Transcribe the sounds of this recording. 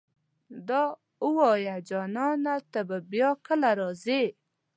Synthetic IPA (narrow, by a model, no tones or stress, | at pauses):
d̪ɑ | uwɔjad͡ʒɑnɑnat̪əbəbjɑkəlaɾɔze